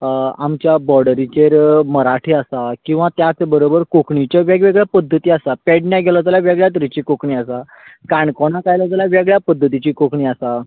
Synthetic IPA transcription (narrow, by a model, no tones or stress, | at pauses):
amt͡ɕjabɔɾɖəɾit͡ɕeɾməɾaʈʰiːasakĩw̃ʋat̪jat͡sbəɾobəɾkokɳit͡ɕɔʋeɡʋeɡɭjapəd̪ʱːət̪iːasapɛɽɳjaɡʱelɔt̪alaʋeɡɭjat̪̬ɾit͡ɕiːkokɳiːasa | kaɳkɔɳ̃akajlɔt̪alaʋeɡɭjapəd̪ʱːət̪it͡ɕiːkokɳiːasa